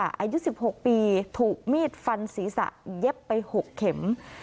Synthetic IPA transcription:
a˩ʔa̰ː˧ju˦˥si˨˩p̚ho˨˩k̚piː˧t̪ʰuː˨˩k̚miː˥˩t̪̚fa˧nsiː˩˦sa̰˧˩ʔje˦˥pːa˧jho˨˩kʰːe˨˩˦m

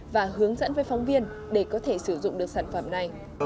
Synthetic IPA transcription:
vaː˨˩ɦɨ˨˦əŋzə̰˧˥nvəː˨˦jfɔ˨˦wŋ͡mvi˧ən | ɗe˧˩kɔ˨˦t̪ʰe˧˩sɨ˧˩zʊ̰˧˨ŋ͡mɗɨ˨˩ək̚saː˧˩nfə˧˩mna˨˩j

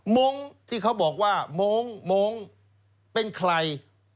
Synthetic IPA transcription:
mo˦˥ŋt̪ʰiː˥˩kʰa˦˥wbɔː˨˩k̚waː˥˩moː˦˥ŋmoː˦˥ŋ | pe˧nkʰɾa˧j

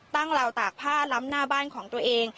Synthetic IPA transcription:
t̪a˥˩ŋɾa˧wt̪aː˨˩k̚pʰaː˥˩la˦˥mnaː˥˩baː˥˩nkʰɔː˩˦ŋt̪u˧ɐəʔeː˧ŋ

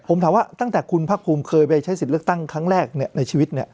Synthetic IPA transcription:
pʰo˩˦mt̪ʰaː˨˦waː˥˩t̪a˥˩ŋt̪ɛː˨˩kʰu˧npʰaː˥˩kpʰuː˧mkʰɤː˧jpa˧jt͡ɕʰa˦˥jsi˨˩lɯ˥˩ək̚t̪a˥˩ŋkʰɾa˦˥ŋɾɛː˥˩k̚ni˥˩ɐna˧jt͡ɕʰiː˧wi˦˥t̪̚ni˥˩ɐ

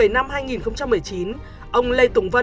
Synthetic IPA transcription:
ə˧˩jna˧mɦaː˧jŋi˨˩nxə˧wŋ͡mt͡ɕa˧mːɨ˨˩əjt͡ɕi˨˦n | ʔə˧wŋ͡mlə˧jt̪ʊ˧˩ŋ͡mvə˧

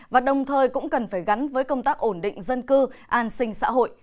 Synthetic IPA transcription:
vaː˨˩ɗə˨˩wŋ͡mt̪ʰəː˨˩jkʊ̰˧˥ŋ͡mkə˨˩nfaː˧˩jɣa˨˦nvəː˨˦jkə˧wŋ͡mt̪aː˦˥k̚ʔo˧˩nɗḭ̈˧˨ŋ̟zə˧nkɨ˧ʔaː˧nsï˧ŋ̟sa̰ː˧˥ɦo̰˧˨j

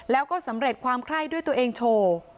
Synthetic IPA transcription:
lɛː˦˥wkɔː˥˩sa˩˦mɾe˨˩t̪̚kʰwaː˧mkʰɾa˥˩jdu˥˩jt̪u˧ɐ˧ʔeː˧ŋt͡ɕʰoː˧

